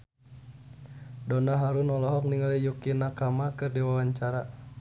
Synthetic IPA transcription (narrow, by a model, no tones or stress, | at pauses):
dɔnaɦaɾunɔlɔɦɔk̚niŋalɛjukinakamakɨrdiwawaɲt͡ʃaɾa